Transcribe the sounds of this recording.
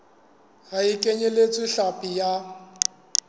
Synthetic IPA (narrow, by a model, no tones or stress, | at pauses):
ɣaikʼeɲelet͡sʼɪɬapʼija